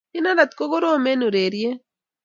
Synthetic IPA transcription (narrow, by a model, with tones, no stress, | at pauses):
i˦na˦ɾa˨t̪̚ko˦ɡo˦ɾoː˦me˦nu˨ɾeː˨ɾije˦